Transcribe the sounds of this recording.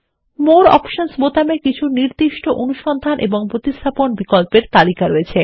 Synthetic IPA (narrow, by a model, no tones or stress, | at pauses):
moɾɔ̰pʃonsbot̪amekit͡ɕʰuniɾd̪iʃʈoʔonuʃɔnd̪ʱanʔḛboŋpɾot̪iʃt̪ʰaponbikolpeɾt̪alikaɾoet͡ɕʰe